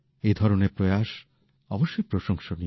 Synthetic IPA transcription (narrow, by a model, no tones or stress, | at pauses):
ed̪ʱɔɾoneɾpɾojaʃ | ɔboʃːojpɾoʃoŋʃoni